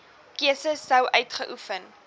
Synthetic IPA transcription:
kiəsəsːəwʔœɥtχəʔufən

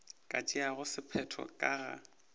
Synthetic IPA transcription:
kʼat͡ʃʼiaɣʊsɪpʰɛtʰɔ̰kʼaɣa̰

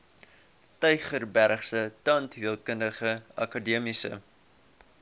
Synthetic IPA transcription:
tœɥχərbærχsətɑntɦiəlˠkəndəχəɐ̰kɑdiəmisə̰

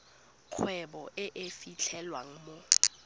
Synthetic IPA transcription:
k͡xʰwɛbɔʔɪʔefit͡ɬʰɛlwaŋ̩mo

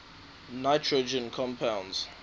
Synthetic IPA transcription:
naɪtʰɹod͡ʒə̃nkʰɔ̃mpʰãʊ̃nz̥

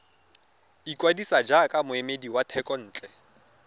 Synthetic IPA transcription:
ikʼwadisad͡ʒakʼamʊemediwatʰɛkʼɔn̩ːt͡ɬʼɛ

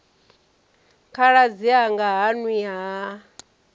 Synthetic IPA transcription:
kʰaɺad͡ziaŋɡaɦania

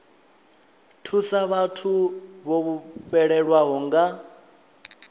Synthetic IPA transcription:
tʰusaβatʰuβoβuɸɛɺɛɺwaɦɔŋɡa

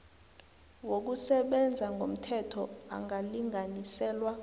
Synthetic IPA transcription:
wok̬usɛɓɛnd͡zʱaŋɡʱom̩tʰɛtʰɔa̰ŋaliŋʱanisɛːlwa

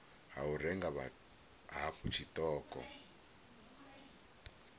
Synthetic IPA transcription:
ɦaurɛŋɡaβa̰ | ɦafut͡ʃʰitɔːkɔ̰

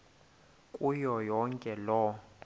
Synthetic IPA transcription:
kʼujɔjɔŋkʼɛlɔ

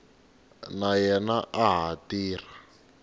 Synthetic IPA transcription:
najɛnaʔaɦatiːr̤a

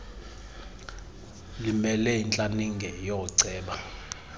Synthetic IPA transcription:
limɛlɛint͡ɬʼaniŋɡʱɛjɔǀɛːɓa

